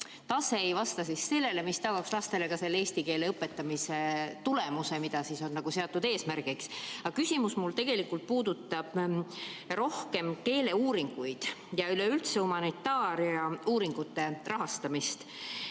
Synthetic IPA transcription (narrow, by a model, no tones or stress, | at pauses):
t̪ɑseejvɑst̪ɑsisse̞lːe̞le̞mist̪ɑɡ̥ɑkslɑst̪e̞le̞kɑse̞lːeeːst̪ike̞ːle̞ɤpːˑet̪ːˑɑmise̞t̪ulemuse̞mid̪̥ɑsiso̞nːɑɡ̥use̞ɑt̪ːˑud̪e̞ːsmærɡiksɑkysʲimusmult̪e̞ɡ̥e̞likːult̪̚puːd̪̥ut̪ːˑɑb̥ | ro̞hke̞mke̞ːle̞uːɾiŋɡ̥ujd̪̥jɑyleylt̪se̞umɑnit̪ːɑːɾiɑuːɾiŋɡ̥ut̪ːe̞rɑɦɑst̪ɑmist̪